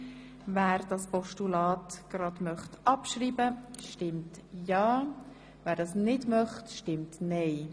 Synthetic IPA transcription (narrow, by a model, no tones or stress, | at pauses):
væːɾd̥ɑspɔʃtulɑːtɡ̥ɾɑdmœχtʔɑpʃriːbəʃtɪmtjɑː | væːɾdɑsnɪdmœχtʃtɪmtnɛɪ